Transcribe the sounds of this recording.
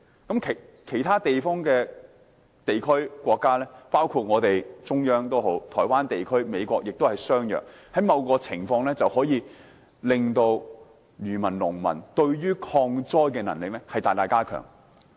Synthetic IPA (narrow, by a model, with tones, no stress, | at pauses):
kɐ˨˥mkʰe˨˩kʰe˨˩jt̪ʰaː˥t̪e˨jfɔː˥ŋkɛː˧ | t̪e˨jkʰɵ˥ɥkʷɔː˧kːaː˥lɛː˥paː˥wkʰuː˧t̚ŋɔː˨˧t̪e˨jt͡sʊ˥ŋjœː˥ŋt̪o˥wɦo˨˥wt̪ʰɔː˨˩jwaː˥nt̪e˨jkʰɵ˥ɥme˨˧jkʷɔː˧k̚jɪ˨k̚t̪o˥whɐ˨jsœː˥ŋjœ̰ː˨˩k | hɐ˨˥jmɐ˨˧wkɔː˧t͡sʰɪ˨˩ŋfɔː˧ŋlɛː˥t͡sɐ˨whɔː˨˥jiː˧ | lɪ˨ŋt̪o˧w | jyː˨˩mɐ˨˩nlʊ˨˩ŋmɐ̰˨˩nt̪ɵ˧ɥɥyː˥kʰɔː˧ŋt͡sɔː˥jkɛː˧nɐ̰˨˩nlɪ˨k̚lɛ˥hɐ˨jt̪aː˨jt̪aː˨˧jkaː˥kʰœ̰ː˨˩ŋ